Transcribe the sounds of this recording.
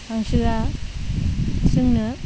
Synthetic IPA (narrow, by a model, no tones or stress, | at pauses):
haŋsɯɡa | sɯŋnɯ